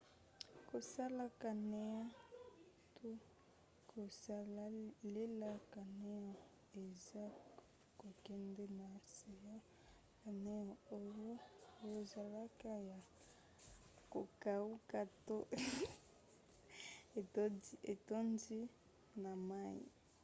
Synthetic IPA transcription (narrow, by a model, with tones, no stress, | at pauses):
ko˨sa˦la˦ka˨ne˦ja˦ | to˦ | kʰo˨sa˦la˦le˦la˦ka˨ne˦jɔ˨ | e˨za˦ | ko˨kɛ˦ndɛ˦na˨si˨ja˦ | ka˨ne˦ɔ˨o˦jo˦o˦jo˦˨za˨la˦ka˦ja˨ | ko˨ka˨u˦ka˦to˦˨˦ | e˨to˦ndi˦ | na˨ma˦ḭ˨